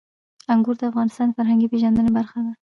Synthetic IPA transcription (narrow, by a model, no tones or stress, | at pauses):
aŋɡuɾd̪əafɣɑnɪst̪ɑnd̪əfaɾɦaŋɡipeʒɑnd̪ənebaɾxad̪a